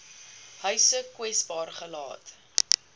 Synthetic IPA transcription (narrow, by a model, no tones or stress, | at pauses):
hœɥsəkwɛsbɑːrχəlɑ̰ːt